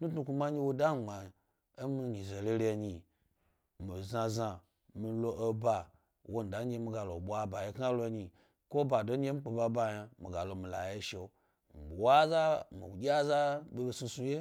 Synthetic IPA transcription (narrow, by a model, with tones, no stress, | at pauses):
tu˦tnu˧ku˧ma˦e˦wo˦da˦˨ɡ͡ba˨ | e˦mi˧ɲi˨ze˨le˦ɾe˧˨ɲi˨ | mi˨za˧za˨ | mi˧lo˧ʔo˦ba˨ | wo˦n̩˨da˨˦n˦ɡʲe˧˦mi˧˦ɡa˨lo˨ɓʷa˦ba˨je˦ka˦lo˦˧˦ɲi˨ | ko˦ba˨do˦e˦m̩i˦k͡pe˨ba˧ba˧ja˧mḭ˨ɡa˨lo˨mi˨la̰˨je˦ʃe˨˦ | mi˨bi˨wa˦za˦mḭ˨wɡʲa˦za˦be˦be˦su˧su˧je˦